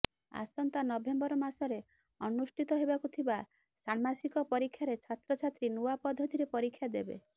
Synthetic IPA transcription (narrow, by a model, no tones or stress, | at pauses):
a̰sɔnt̪anɔbembɔɾɔmasɔɾe | ɔnusʈʰit̪ɔɦebakut̪ʰiba | saɽmasikɔpɔɾikʰːjaɾet͡ʃʰat̪ɾɔt͡ʃʰat̪ɾinuapɔd̪ʱːɔt̪iɾepɔɾikʰːjad̪ebḛ